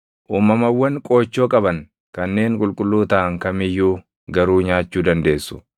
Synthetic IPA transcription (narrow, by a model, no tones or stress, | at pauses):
ʔuːmɐmɐwːɐŋkʼo̞ːt͡ʃːoːkʼɐbɐŋ | kɐnːe̞ːŋkʼʊlkʼʊlːuːt̪ɐʔɐŋkɐmɪjːuː | ɡɐɾuːɲaːt͡ʃːuːd̪ɐnd̪e̞ːsːʊ̥